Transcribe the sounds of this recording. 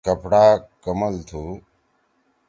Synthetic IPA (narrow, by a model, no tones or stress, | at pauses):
kəpɽaːkəməlt̪ʰuː